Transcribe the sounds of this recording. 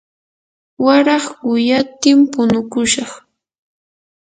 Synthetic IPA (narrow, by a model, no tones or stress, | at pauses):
waɾɑχʊjat̪ɪmpʊnʊkʊʃɑχ